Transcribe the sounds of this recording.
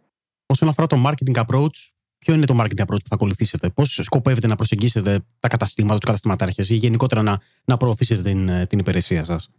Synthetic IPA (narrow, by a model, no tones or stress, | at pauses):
o̞sonɐfo̞ɾɐt̪o̞mɐɾcet̪iŋɡɐpɾo̞ut͡s | pço̞ine̞t̪o̞mɐɾcet̪iŋɡɐpɾout͡spuθɐko̞luθise̞t̪e̞po̞sːko̞pe̞ve̞t̪enɐpɾose̞ɲɟise̞t̪e̞t̪ɐkɐt̪ɐst̪imɐt̪ɐt̪ukɐt̪ɐst̪imɐt̪ɐɾçesiʝe̞niko̞t̪e̞ɾɐnɐ | nɐpɾoːθise̞t̪et̪int̪inipiɾe̞siɐsɐs